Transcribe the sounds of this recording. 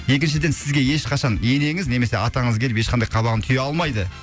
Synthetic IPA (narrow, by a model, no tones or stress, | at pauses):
je̞kʲɪnʃ̬ɪd̪e̞nsɪzɡʲe̞je̞ʃqʰɑʃɑnje̞ne̞ŋɪzne̞me̞se̞ɑt̪ɑɴəzkʰʲelɪpe̞ʃqʰɑnd̪ɑjqʰɑβɑʁənt̪ʰʏjeɑlˠmɑjd̪ə